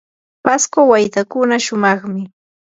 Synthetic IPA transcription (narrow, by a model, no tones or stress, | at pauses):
paskawajt̪akʊnaʃʊmɑχmɪ